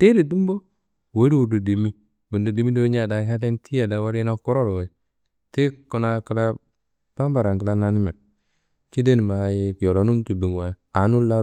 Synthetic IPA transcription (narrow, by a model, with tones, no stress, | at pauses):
te˦di˨du˦m˦bo˦ | we˦di˦wu˨du˨di˨mi˦ | bu˨ndu˨di˨˦mi˦do˦ɲa˨da˨ka˦de˦ntʰi˦ja˨da˨˦wa˦ɾi˦na˦ku˦ɾo˦ɾo˨we˨˦ | ti˦ku˨na˨ki˨˦la˦ | b̥a˦m˦ba˨ɾa˨ŋki˨la˦na˨ni˦me˨ | ki˦de˦n˨ma˨ji˦kjo˨lo˨˦nu˦n˦tu˨bi˨ŋ˨wa˨ja˨˦nu˦la˦